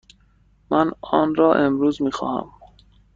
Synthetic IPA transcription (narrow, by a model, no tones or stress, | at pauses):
mænɒːnɾɒːʔe̞mɾuːzmiːxɒ̰ːhæ̰m